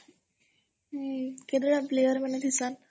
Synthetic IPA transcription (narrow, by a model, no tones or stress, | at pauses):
ked̪ɾəɭaplejəɾm̤ənːed̪isan